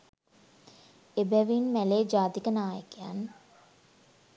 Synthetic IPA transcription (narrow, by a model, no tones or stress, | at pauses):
ebɛʋinmæleːd͡ʒaːt̪ikənaːjəkeja̰n